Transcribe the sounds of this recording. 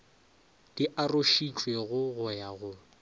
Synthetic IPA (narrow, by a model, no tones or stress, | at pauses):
d̥iʔaroʃit͡ʃʼweɣʊɣʊjaɣʊ